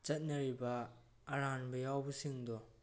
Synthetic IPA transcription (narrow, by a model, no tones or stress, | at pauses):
t͡ʃɐt̚nɐɾibaː | ɾanbɐjawbɐsiŋdɔ